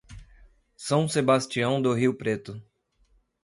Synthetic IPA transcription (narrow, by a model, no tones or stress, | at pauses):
sɐ̃w̃sebast͡ʃiɐ̃w̃d̪ʊɦiwpɾet̪ʊ